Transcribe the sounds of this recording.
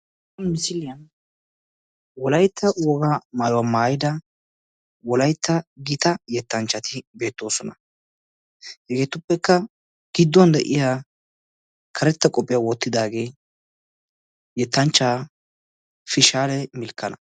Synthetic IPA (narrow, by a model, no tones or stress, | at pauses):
mɪsɪlɪj | wɔlɐjt̪ʰːɐwɔɡamaːjɔwamaːjɪd̪ɐ | wɔlɐjt̪ʰːɐɡɪt̪ɐjɛt̪ːɐnt͡ʃːɐt̪ɪbe̞ːt̪ːo̞ːsɔnɐ | hɪɡe̞ːt̪ʊpːɛkːɐ | ɡ̥ɪd̪ːɔnd̪ɛʔɪjaː | kʰɐɾɛt̪ːɐkʼɔpʼːɪjawɔt̪ːɪd̪aːɡe̞ː | jɛt̪ːɐnt͡ʃːaː | fɪʃaːlɛmɪlkːɐnɐ